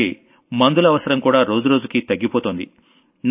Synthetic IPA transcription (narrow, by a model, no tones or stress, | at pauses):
ḭ | mɐnd̪ulɐʋɐsɐɾɐmkuːɽaːɾo̞ːd͡ʒuɾo̞ːd͡ʒukit̪ɐɡːipoːt̪oːnd̪ḭ | n